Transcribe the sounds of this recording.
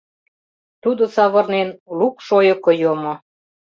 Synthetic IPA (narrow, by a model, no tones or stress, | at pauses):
t̪ud̪ŏsɑβɤ̆rnenlukʃojə̆kojomŏ